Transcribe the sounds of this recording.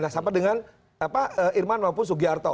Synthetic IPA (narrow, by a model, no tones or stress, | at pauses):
nahsampadəŋan | apaəʔirmanmawp̬ʊns̬uɡiart̪ɔ